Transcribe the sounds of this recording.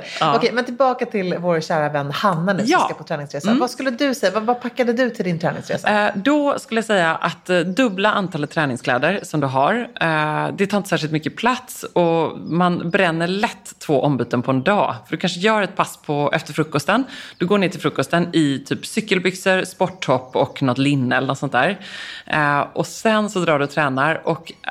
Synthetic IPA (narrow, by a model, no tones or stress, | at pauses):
ɔkʰɛjmɛnt̪ʰɪlbɑːkat̪ʰɪlvoːɾɕæːɾavɛnːhanːanjɑ̰ːapʰɔt̪ʰɾɛːnɪŋsɾeːsavaskɵlːəd̪ɵsɛjːavavapʰakːad̪əd̪ɵt̪ʰɪld̪ɪnt̪ʰɾɛːnɪ̰ŋsɾḛːsad̪ɔskɵləjasɛjːaʔat̪d̪ɵblaʔant̪ʰɑːlət̪ʰːɾɛːnɪŋskʰlɛ̰ːd̪əɾsɔmd̪ɵɦaɾ | d̪ɛt̪ʰɑːɪnəsæːʂɪlt̪mʏkːəpʰlat̪sɔmanbɾɛnːəɭɛt̪ʰːvoːʔɔmbyːt̪ənpʰɔɛnd̪ɑ̰ːfœɖɵkʰanʂəjœːɾɛt̪̚pʰaspʰɔʔɛ̰ft̪əɾfɾɵkːɔst̪ənd̪̥ɵɡoːɳeːt̪ʰɪlfɾɵkːɔst̪ənɪt̪ʰyːpsʏkːəlbʏksəɾspɔʈːhɔpːɔknɔt̪lɪnːɛlənɔt̪sɔnt̪d̪æ̰ːɾ | ʔɔsɛnsɔd̪ɾɑːɖɵɔt̪ʰɾɛːnaɾɔk